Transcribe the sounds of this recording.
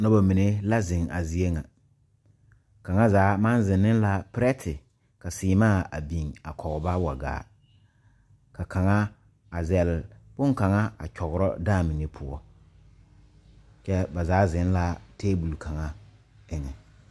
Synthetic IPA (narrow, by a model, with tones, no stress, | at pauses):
nɔ˦ba˨mi˨ne˦la˦zɪ˨ŋa̰˨zi˦e˦ŋa˨ | ka˨ŋa˦zaː˨˦ma˦nzɪ˨nːɪ˦n˦la˨pɾɛ˦tʰɪ˨ | ka˨sɪː˨maː˦˨a̰˨bi˨ŋa̰˨kʰɔ˨ɣba˦wa˨ɡa̰ː˨˦ | ka˨ka˨ŋa˦ | a˨zɛ˨lbʊ˦ŋka˨ŋa˦a̰˨t͡ʃɔ˨ɣʊ˨ɾɔ̰˦daː˦˨mi˨ne˨pʰʊ˦ɔ˦ | t͡ʃɛ˦ba˨zaː˨˦zɪ˨˦nla˦teː˦bu˨lka˨ŋa˦ | ɪ˦ŋɛ˨